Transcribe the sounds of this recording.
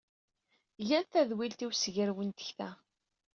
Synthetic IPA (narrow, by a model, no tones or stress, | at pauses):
jænθæðwilt̪iwsʝəɾwənt̪ə̥çθæ